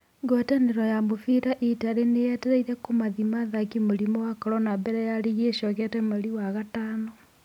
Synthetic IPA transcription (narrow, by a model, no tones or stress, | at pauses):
ŋɡwɛtaneɾɔjamofiɾaʔitaɾenejɛtɛɾaiɾɛkomaðimaðakimoɾimɔwakɔɾɔnabɛɾɛjaɾiɣieʃɔɣɛtɛmaɾiwaɣataːnɔ